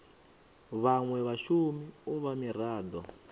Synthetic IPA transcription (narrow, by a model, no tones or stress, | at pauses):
βaŋwɛβaʃumiuβamiraːd̪ɔ